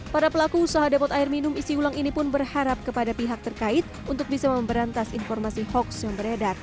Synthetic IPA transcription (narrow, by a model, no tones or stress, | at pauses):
paɾapəlakuusaɦadepɔt̪aɪrminʊmisiulaŋinipʊnbərhaɾap̚kəpadapiɦak̚t̪ərkaɪt̪̚ | unt̪ʊk̚bisaməmbəɾant̪asinfɔrmasihɔksjaŋbəɾedar